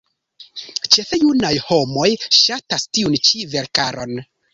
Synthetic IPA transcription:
t͡ʃe̞fejunajho̞mo̞jʃatastiunt͡ʃive̞ɾkaɾo̞̰n

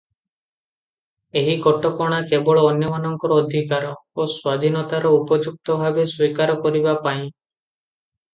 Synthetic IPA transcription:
eɦikɔʈɔkɔɽ̃akebɔɭɔːnjɔmanɔŋkɔɾɔːd̪ʱikaɾɔoswad̪ʱinɔt̪aɾɔupɔd͡ʒuk̚t̪ɔbʱabeswikaɾɔkɔɾibapaĩ

